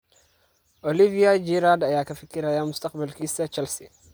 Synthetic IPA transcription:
ʔolivijad͡ʒiɾad̪ajakʰɐfɨkːiɾajamʊst̪ʰɐqʼbɐlkʰisɐt͡ʃɐlsi

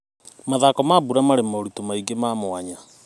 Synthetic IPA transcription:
maðakɔmabuɾamaɾemaoɾutomaiɡemaːmoaɲa

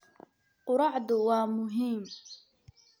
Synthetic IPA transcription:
qʊɾɑʕd̪ʊwaːmʊɦiːm

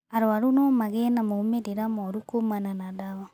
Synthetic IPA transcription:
aɾoaɾunɔmaɣenamoumeɾeɾamɔɾukomananadaβa

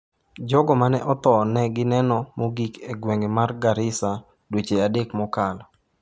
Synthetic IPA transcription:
d͡ʒɔɡɔmanɛʔɔt̪ɔnɛɡɪnɛnɔmoɡikeɡwɛŋɡemarɡaɾɪsa | dwet͡ʃeadekmɔkalɔ

